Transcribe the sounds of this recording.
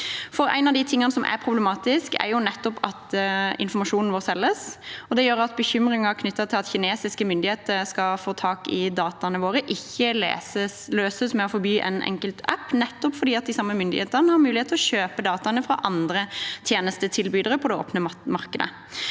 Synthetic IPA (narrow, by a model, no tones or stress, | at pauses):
fɔɾæ̰ɪnɑʋd̪ɪt̪ʰɪŋːɑnəsɔmʔæ̰ɾpʰʁʊblɛmɑːt̪ɪskæ̰ɾjʊnɛt̪ːɔpɑt̪ɪ̰nfɔɾmɑʂuːnn̩ʋoːsɛlːəsɔd̪ɛjøːɾɑt̪̚bəçʏmɾɪŋɑkʰnʏt̪ːɑt̪ʰɪlɑt̪çɪneːsɪskəmʏnd̪ɪheːt̪əɾskɑfoːt̪ʰɑːkɪd̪ɑːt̪ɑnəʋoːɾəʔɪçːəlḛsəsløːsəsmɛɔfɔɾbyːʔɛ̰nʔɛ̰ŋkəlt̪ʰæpːnɛt̪ːɔpfɔɾd̪iːɑt̪̚d̪ɪsɑmːəmʏnd̪ɪ̰heːt̪əʁnəhɑɾmʉːlɪeːt̪ʰːɔɕøːpəd̪ɑːt̪ɑnəfɾɑ̰ʔɑnd̪ɾət̪ʰjeːnəst̪ət̪ʰɪlbyːd̪əɾəpʰɔd̪ɛo̰ːpnəmɑʁkəd̪ə̰